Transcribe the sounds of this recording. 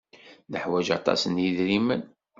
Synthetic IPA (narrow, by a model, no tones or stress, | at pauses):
nəħwæd͡ʒɑ̰t̪ˤɑ̰sənjiðɾimən